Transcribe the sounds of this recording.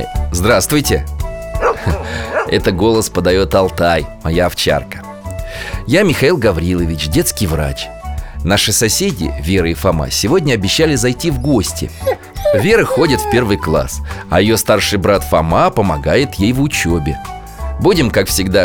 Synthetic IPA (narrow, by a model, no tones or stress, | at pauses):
zd̪ɾast̪vʊjtʲɪ̰ | ɛt̪əɡo̞lˠəspəd̪ɐjo̞t̪ɐlˠt̪ajmɐjaːft͡ɕa̰rkə̥ | jamʲɪxɐilˠɡɐvɾʲilˠəvʲɪt͡ɕdʲe̞t̪skʲɪjvra̰t͡ɕ | naʂɨsɐsʲedʲɪ̰vʲe̞ɾɨifɐma̰sʲɪvo̞dʲnʲəɐbʲɪɕːalʲɪzɐjtʲivɡo̞sʲtʲɪ̰ | vʲe̞ɾɨxo̞dʲɪt̪fʲpʲe̞rvɨjklˠa̰sɐjɪjo̞st̪arʂɨjbɾat̪fɐmapəmɐɡajɪt̪jejvʊt͡ɕobʲɪ̰ | budʲɪmkakfsʲɪɡd̪a